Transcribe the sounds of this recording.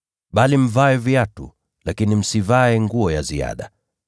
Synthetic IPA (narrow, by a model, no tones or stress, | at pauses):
ɓalim̩vaɛviatṵ | lakinim̩sivaɛŋɡuɔjazia̰ɗa̰